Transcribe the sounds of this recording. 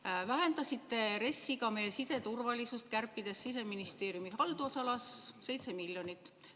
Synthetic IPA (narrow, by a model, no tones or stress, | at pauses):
væɦe̞nd̪̥ɑsit̪ːe̞ɾe̞sːiɡɑme̞jesise̞t̪urvɑlisust̪̚kærpːid̪̥e̞sːis̬e̞minist̪e̞ːɾjumihɑld̪̥uosɑlɑsse̞jt̪se̞milʲjo̞nit̪ːˑ